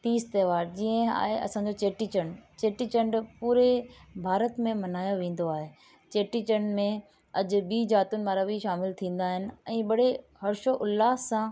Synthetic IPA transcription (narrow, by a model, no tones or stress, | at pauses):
t̪iːst̪eːʋaːɾd͡ʑiːə̃a̰ːɦeɐ̰sãːd͡ʑot͡ɕeːʈit͡ɕəɳɖt͡ɕeːʈit͡ɕə̃ɳɖpuːɾebʱaːɾət̪mẽmɐnaːjoʋẽːn̆d̪oaːɦeː | t͡ɕeːʈit͡ɕəɳmẽ | ɐd͡ʑʊ̆ɓiːd͡ʑaːt̪ʊnɪ̆maːɾabʱiʃaːmɪlt̪ʰĩːn̆d̪aːɦɪnɪ̆ɛ̃ːɓɐɽe | hɐɾɪʃoʔʊlːaːãː